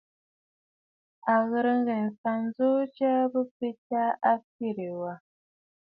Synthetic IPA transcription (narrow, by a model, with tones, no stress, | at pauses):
a˨ɣə˨ɾə˦ŋ˦ɡɛ˨nsa˨n˦zo˦t͡ʃa˦bə˦pe˦ta˦a˦fi˦˨ɾe˨wa˨